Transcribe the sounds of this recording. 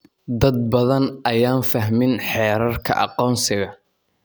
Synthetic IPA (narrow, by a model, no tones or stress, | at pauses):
d̪ɐd̪̚bɐðɐnʔɐjaːnfɐɦmɪnħɛːɾɐrkʰɐ̰ʔɑ̰qɔːnsɪɣɐ